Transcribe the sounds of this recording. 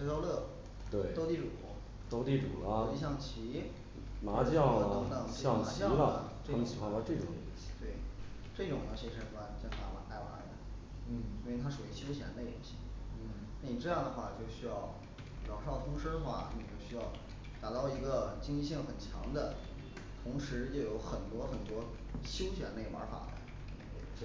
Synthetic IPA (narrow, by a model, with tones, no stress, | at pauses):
ə˥t͡ɕɑ˥ʊlɤ˥˩ | t̪we˥˩ɪt̪o˥ʊt̪i˥˩ʈ͡ʂu˨˩˥ | t̪o˥ʊt̪i˥˩ʈ͡ʂṵ˨˩lə˦˥i˥˧ɕ̬jɑ˥˩ŋt͡ɕʰi˧˥ | ma˧˥t͡ɕjɑ˥˩˧ɤ˧˥ŋt̪ɤ˨˩ŋɕjɑ˥˩ŋma˧˥ɕjɑ˥˧˥lə˩d̪ə̰˨˩ʈ͡ʂɤ˥˧˥ɕʰi˨˩xwa˥nt̪ɑ˥˧ʈ͡ʂɤ˥˩ʈ͡ʂʊ˨˩ŋ˧˥˧ɕi̥˧˥t̪we˥˩ɪ | ʈ͡ʂɤ˥˩ʈ͡ʂʊ˨˩ŋnə˧˥˩ɕɛ˧˥ʂə˨˩nwa˥n˨˩t͡ɕjɛ˥˩t̪a̰˧˥wa̰˧˥nt̪a˥˩ɪwa̰˧˥˧d̪ə˧˥˩ | i˥we˥˩ɪt̪ʰa˥ʂu˨˩i˧˥˩ɕjo˥ʊɕjɛ̰˧˥nd̪ə˧jɛ̰˧˥nɕḭ˥˩ | na˥˩ni˨˩ʈ͡ʂɤ˥˧jɑ˥˩ŋd̪ə˩xwa˥˩t͡ɕjo˥˧ʊɕy˥jɑ˥˩ʊ | ɻɑ˨˩ʂɑ˥˩ʊt̪ʰʊ˥ŋʂɻ̩˥d̪ə˧xwa̰˥˩ni˨˧˩t͡ɕjo˥˧ʊɕy˥jɑ˥˩ʊ | t̪a˨˩t̪ɑ˥˩ʊi˧˥ɡə˧t͡ɕi˥ŋli˥˧ɕi˥˩ŋxə˨˩nt͡ɕʰjɑ̰˧˥ŋd̪ə˧ | t̪ʰʊ˧˥ŋʂɻ̩˧˥t͡ɕjo˥˩ʊjo˧˥ʊxə˨˩nt̪wɔ˥xə˨˩nt̪wɔ˥ | ɕjo˥ʊɕjɛ̰˨˧˥nne˥˩wa̰˧˥fa̰˨˩d̪ə̰˦˥